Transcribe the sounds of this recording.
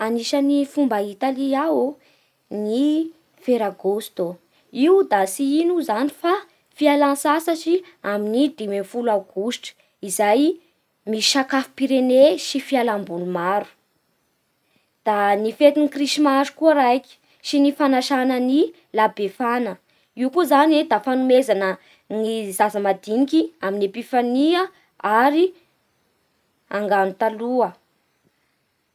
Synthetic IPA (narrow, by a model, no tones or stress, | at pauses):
aniʃənifumbait̪aliawu | ni | feɾaɡost̪o | iwd̪asiinuzanifa | fialansasəsi | aminid̪imefulaɡ̥uʃʈ͡ʂə̥ | izaj | miʃakafi̥piɾeneʃifialambulumaɾu̥ | d̪̥anifet̪inikriʃimazu̥kuəɾajki̥ | ʃinifanaʃanəni | labefanə | ikuzanwed̪afanumezanə | nizasəmad̪inikʲiaminepifaniə | aɾi | aŋɡanut̪aluə